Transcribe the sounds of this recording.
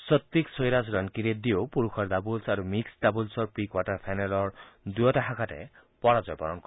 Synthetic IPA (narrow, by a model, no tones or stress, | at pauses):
sɔt̪ːiksɔjɾasɔɾankiɾed̪iopuɾukʰɔɾdabulsaɾumiksdabulsɔɾpɾikwaʈɔɾpʰajnalɔɹd̪ujɔtaɦakʰatḛ | pɔɾad͡ʒɔjpɔɾɔnkɔ